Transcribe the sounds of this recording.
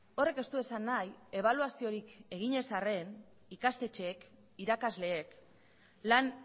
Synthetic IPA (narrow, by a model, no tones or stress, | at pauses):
o̞re̞ke̞st̪ue̞sanːaje̞β̞aluasio̞ɾike̞ɣ̞iɲe̞sare̞n | ikast̪e̞t͡ʃe̞ːk | iɾakazle̞ːk | lan